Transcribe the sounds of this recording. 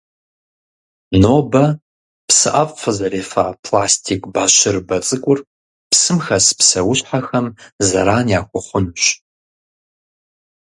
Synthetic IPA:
noːbɐ | psɨʔɐfʼfɐzɐɾeːfaːpʰlaːstʰiːkʷʼbaːʃɪrbɐt͡sʼɨkʷʼʊr | psɨmxɐspsɐwʊɕħaxɐmzɐɾaːnjaːkʷʊχʷʊnɕ

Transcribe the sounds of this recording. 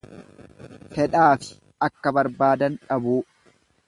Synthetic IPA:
fɛᶑaːfɪ̥ | ɐkːɐbɐɾbaːd̪ɐnᶑɐbuː

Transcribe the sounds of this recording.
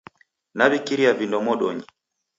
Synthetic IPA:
naβikiɾiavindɔmɔɗɔɲi

